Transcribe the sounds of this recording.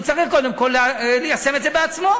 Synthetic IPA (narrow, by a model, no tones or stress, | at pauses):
t͡saʁiχko̞d̪e̞mko̞lːlejase̞met̪dzebeat͡smo̞